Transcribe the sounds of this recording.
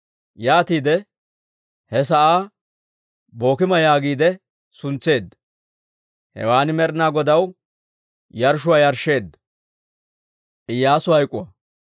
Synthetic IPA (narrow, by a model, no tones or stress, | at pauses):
jaːt̪iːd̪ɛ | hɛs̬ɐʔaː | bo̞ːkɪmɐjaːɡiːd̪ɛ | sʊnt͡sːe̞ːd̪ːɐ | hɛ̰waːnɪmɛɾnaːɡɔd̪ɐw | jɐɾʃ̬ʊwaːjɐɾʃːe̞ːd̪ːɐ | ʔɪjːaːsʊhɐjkʼːʊwɐ